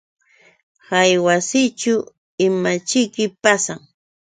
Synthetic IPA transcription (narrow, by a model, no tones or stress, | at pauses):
hajwasɪt͡ʃʊ | ɪmat͡ʃɪkɪpasaŋ